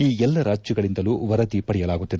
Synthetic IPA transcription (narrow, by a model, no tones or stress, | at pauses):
iːɛlːɐɾaːd͡ʒjɐɡɐɭind̪ɐluːʋɐɾɐt̪ipɐɽɛjɐlaːɡut̪ːid̪e